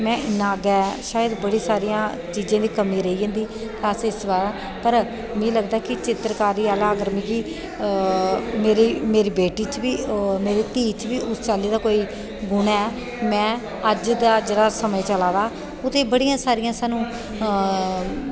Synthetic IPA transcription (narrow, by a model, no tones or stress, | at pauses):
mɛ̃ːɪnːãːɡɛːʃaːjəd̪bəɽiːsaːɾɪjãː | t͡ʃiːd͡ʒãːd̪iːkəmĩːɾəɦiːd͡ʒãːnd̪iː | t̪aːsɪsbaːɾaː | pəɾ | mĩːləɡd̪aːkɪt͡ʃɪt̪ɾkaːɾiːaːlaːɡəɾmĩːɡiː | meːɾiːmeːɾiːbeːʈiːt͡ʃʋiːmeːɾiːt̪iːt͡ʃʋiːʊst͡ʃaːliːd̪aːkoːiː | ɡʊɽ̃aːɛː | mɛ̃ː | əd͡ʒd̪aːd͡ʒeːɽaːsəməːt͡ʃəlaːd̪aː | ʊt̪ʰeːbəɽijãːsaːɾɪjãːsaːnũː